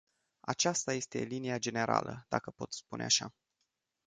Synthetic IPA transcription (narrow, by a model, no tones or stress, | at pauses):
at͡ʃast̪aje̞st̪e̞̰linijad͡ʒe̞ne̞ɾa̰lʔə̰d̪akəpo̞t̪spunḛaʃa